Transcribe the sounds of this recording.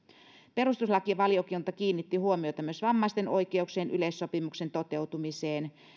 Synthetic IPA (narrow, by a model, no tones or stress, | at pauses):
pe̞ɾust̪uslɑkiɑʋɑliokint̪ɑkiːnːit̪ːihuomiot̪ɑmyøsʋɑmːɑˑist̪enoikeukseːnʔylesːopimuksent̪ot̪ewt̪umiseːn